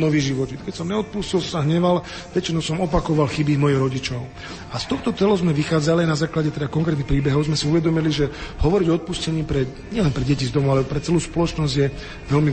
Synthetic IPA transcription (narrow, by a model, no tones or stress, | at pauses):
nɔʋiːɣʒiʋɔt̪it̪kɛcsɔmɲɛɔt̪̚puscilsaɦɲɛʋal | ʋɛt͡ʃinɔʊsɔmɔpakɔʋalxibimɔjiɣɾɔɟit͡ʃɔʊ | ast̪ɔxt̪ɔt͡s̪ɛlɔʊzmɛʋixaːd͡zaliajnazaːklaɟɛt̪ɛd̪akɔŋkɾɛt̪nixpɾiːbɛɦɔʊzmɛsiuʋɛd̪ɔmiliʒɛhɔʋɔɾiɟɔɔt̪̚puscɛɲiːpɾɛ | ɲɛlɛnpɾɛɟɛcizd̪ɔmɔʊalɛpɾɛt͡sɛluːspɔlɔt͡ʃnɔzɟjɛ | ʋɛlmi